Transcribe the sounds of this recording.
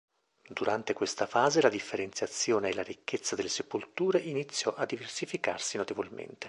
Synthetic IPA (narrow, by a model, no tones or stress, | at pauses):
d̪uɾant̪ekwest̪afaːzelad̪ifːeɾent̪sjat̪sːjoːneːlaɾikːet̪sːad̪elːesepolt̪uːɾeʔinit̪sːjɔʔad̪ːiversifikarsinot̪evolmḛnt̪e̥